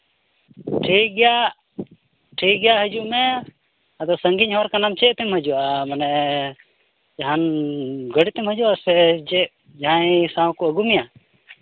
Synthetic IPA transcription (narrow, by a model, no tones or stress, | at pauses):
ʈʰikɡɛjaʔ | ʈʰik̚ɡɛjaɦəd͡ʒuʔmɛ | ad̪ɔsəŋɡiɲhɔɾkanamt͡ʃɛʔt̪ɛmhəd͡ʒuʔamanɛ | d͡ʒaɦanɡəɽit̪ɛmhəd͡ʒuʔasɛd͡ʒɛʔ | d͡ʒãjsãw̃kuəɡumija